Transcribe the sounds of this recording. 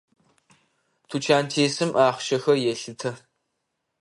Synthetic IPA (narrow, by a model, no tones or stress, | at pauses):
tʰut͡ʃʰaːntʰeːsɨmʔaːχʃɐxɐjɛɬɨtʰɐ